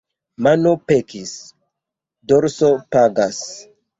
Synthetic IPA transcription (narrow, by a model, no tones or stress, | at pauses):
manopekis | doɾsopaɡas